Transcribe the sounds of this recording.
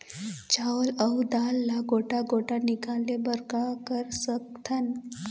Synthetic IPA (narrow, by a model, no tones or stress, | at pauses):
t͡ʃaːlɐud̪aːlːaɡoːʈaɡoːʈanɪkaːlebəɾkakəɾsək̚t̪ʰən